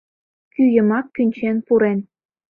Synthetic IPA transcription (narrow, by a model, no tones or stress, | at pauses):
kyjə̆mɑkːynʲt͡ɕenpuɾen